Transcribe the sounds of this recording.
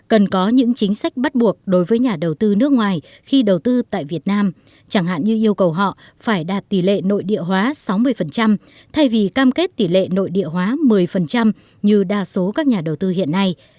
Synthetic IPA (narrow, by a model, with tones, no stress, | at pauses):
kə˨˩nkɔ˨˦ɲɨ̰˧˥ŋt͡ɕï˨˦ŋ̟sa˦˥jk̟̚ɓa˦˥t̚ɓu˨˩ək̚ɗo˨˦jvəː˨˦jɲaː˨˩ɗə˨˩wt̪ɨ˧nɨ˦˥ək̚ŋwaː˨˩j | xi˧ɗə˨˩wt̪ɨ˧t̪a̰ː˧˨jvi˨˩ət̚naː˧m | t͡ɕa˧˩ŋha̰ː˧˨nɲɨ˧ʔi˧əwkə˨˩wɦɔ̰˧˨ | faː˧˩jɗaː˨˩t̚t̪i˧˩lḛ˧˨no̰˧˨jɗḭ˧˨əɦwaː˨˦sa˨˦wmɨ˧əjfə˨˩nt͡ɕa˧m | t̪ʰa˧jvi˨˩kaː˧mke˦˥t̚t̪i˧˩lḛ˧˨no̰˧˨jɗḭ˧˨əɦwaː˨˦mɨ˨˩əjfə˨˩nt͡ɕa˧m | ɲɨ˧ɗaː˧so˨˦kaː˦˥k̚ɲaː˨˩ɗə˨˩wt̪ɨ˧hḭ˧˨ənːa˧j